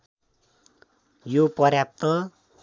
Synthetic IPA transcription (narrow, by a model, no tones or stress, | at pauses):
jopʌrjap̚t̪ʌ